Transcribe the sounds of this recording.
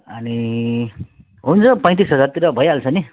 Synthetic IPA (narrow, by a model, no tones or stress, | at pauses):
ʌni | ɦunt͡sʰʌpãj̃t̪̬isɦʌd͡zaɾt̪iɾʌbʱʌjalt͡sʰʌni